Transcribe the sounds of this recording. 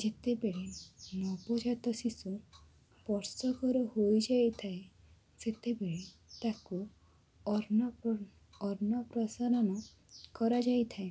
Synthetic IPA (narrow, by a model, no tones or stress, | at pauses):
d͡ʒet̪ebeɭenɔpɔd͡ʒat̪ɔsisu | pɔɾsɔkɔɾɔhojd͡ʒajt̪ʰae | set̪ebeɭet̪aku | ɔɾnɔ | ɔɾnɔpɾɔsaɾɔnɔ | kɔɾad͡ʒajt̪ʰae